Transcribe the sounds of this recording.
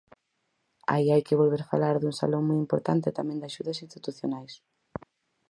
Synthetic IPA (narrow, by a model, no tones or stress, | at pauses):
a̰iajkɪβolβeɾfalaɾðuŋsa̰lõŋmujimpoɾt̪ant̪ɪt̪amɛ̃ŋd̪aʃuðɐsinst̪it̪uθjonajs